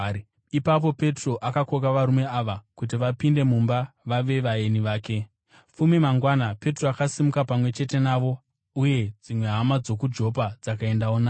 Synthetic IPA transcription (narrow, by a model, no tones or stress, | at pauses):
ipap̬o̞pe̞tro̞ʔakako̞k̬aʋaɾume̞aʋakut̬iʋapinde̞mumbaʋaʋe̞ʋae̞niʋaːke̞ | fumimaŋɡwanape̞troakasimukapamwe̞t͡ʃe̞te̞naʋo̞ | uje̞d͡zimwe̞ɦamad͡zo̞kud͡ʒo̞pad͡zakae̞ndaona